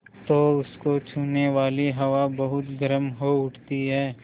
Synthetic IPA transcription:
t̪oːʊskot͡ʃʰuːneʋaːliɦɐʋabɐɦʊt̪ɡɐɾəmɦoʊʈʰt̪iɦɛː

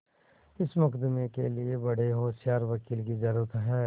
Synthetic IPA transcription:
ɪsmɐkd̪ɪmekeliebɐɽ̤eɦoːsjaːɾʋɐkiːlkizɐɾuːɾət̪ɦɛː

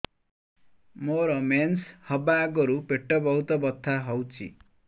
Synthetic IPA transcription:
moɾʌmenshʌbaɡʌɾupeʈːʌbʌɦut̪ʌbʌt̪ʰːaɦʌwt͡sʰḭ

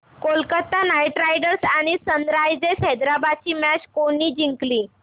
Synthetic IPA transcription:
kolkət̪ːanajʈɾajɖəɾsaɽ̃isənd̪ɾajd͡zesɦɛd̪ɾabad̪̚t͡ɕiːmat͡ɕkoñiːd͡ʑiŋkliː

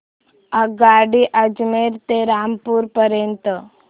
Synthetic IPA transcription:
aɡaːɖiʔad͡ʒmeɾt̪eɾaːmpuɾpəɾent̪ə

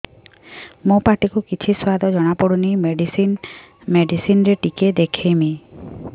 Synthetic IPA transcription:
mõpaʈikukit͡ʃʰiswad̪ʱɔd͡ʒɔɽ̃apɔɽunijmeɖisin | meɖisinɾeʈiked̪ekʰemi

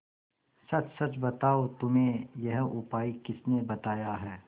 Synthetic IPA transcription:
sɐt͡ʃsɐt͡ʃbɐt̪aːot̪ʊmẽjɐɦʊpaːikɪsnebɐt̪aːjaɦɛː

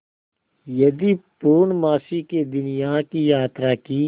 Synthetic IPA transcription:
jɐd̪ipuːnmaːsiked̪ʊnijaːkijaːt̪ɾaki

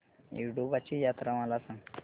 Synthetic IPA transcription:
jṵʈjubat͡ɕijat̪ɾamalasãŋɡ

